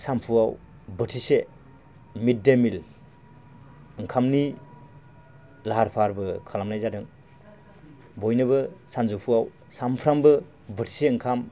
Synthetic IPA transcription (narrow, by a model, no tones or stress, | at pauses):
sampʰuaw | bɯtʰise | mit̚demil | ɯŋkʰamni | laɦaɾpʰaɾbɯkʰalamnajzadɯŋ | bɔjnɯβɯsanzupʰuaw | sampʰɾambɯ | bɯtʰi̥seɯŋkʰam